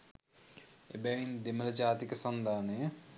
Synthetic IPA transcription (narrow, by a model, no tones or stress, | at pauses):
ḛbɛʋind̪emələd͡ʒaːt̪ikəsɐnd̪ʱaːnəjə